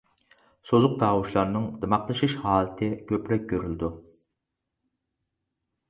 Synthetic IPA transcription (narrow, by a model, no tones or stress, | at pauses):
sozʊq̚d̪ɑːwuʃlˠɑɾnɨŋd̪ɨmɑqlˠɨʃiʃhɑːlˠɨt̪ʰɨkʲʰøplɛk̚ʲkʲːøɾyld̪u